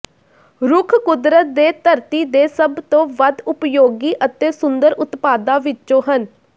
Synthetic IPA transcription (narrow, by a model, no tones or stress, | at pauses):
ɾʊkʰkʊd̪ɾət̪̚d̪eːt̪əɾt̪iːd̪eːsəbt̪õːʋəd̪ʊpjoːɡiːʔət̪eːsʊnd̪əɾʔʊt̪paːd̪ãːʋɪt͡ʃːt͡ʃõːɦən